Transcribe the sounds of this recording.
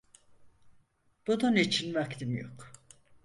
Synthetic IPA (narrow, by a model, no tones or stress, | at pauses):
b̥ud̪anet͡ʃʰinvakt̪imjo̰k